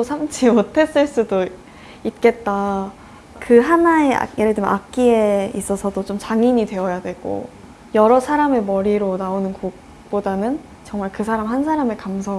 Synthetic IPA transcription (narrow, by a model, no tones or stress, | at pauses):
osʰamt͡ɕʰiotʰe̞s͈ɯɭs͈udo | it̚k͈e̞t̚t͈a | kɯɦanae̞a̰jeɾedɯmnʔak̚k͈ie̞is͈ʌsʰʌdot͡ɕomt͡ɕaŋiɲidwe̞ʌjadwe̞ɡ̥o̰ | jʌɾʌsʰaɾame̞mʌɾiɾonaonɯnkok̚ | p͈odanɯn | t͡ɕʌŋmaɭkɯsʰaɾamɦansʰaɾame̞kamsʰʌ